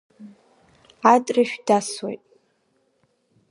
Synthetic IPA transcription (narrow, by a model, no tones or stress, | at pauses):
atʼrɨʃᶣdaswejtʼ